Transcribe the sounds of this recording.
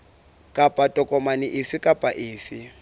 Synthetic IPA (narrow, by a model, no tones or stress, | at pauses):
kʼapʼatʼɔkʼɔmanɪʔɪfɪkʼapʼaʔɪːfɪ